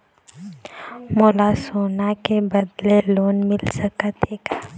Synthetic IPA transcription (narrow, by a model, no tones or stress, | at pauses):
moːlasoːnakebɐd̪leloːnmɪlsəkət̪eːɡa